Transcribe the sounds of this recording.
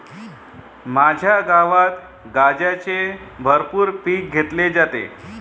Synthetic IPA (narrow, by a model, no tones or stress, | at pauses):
mad͡ʑʱjaɡaʋat̪ | ɡad͡ʑat͡sebʱəɾpuːɾpiːk̚ɡʱet̪led͡zat̪ḛ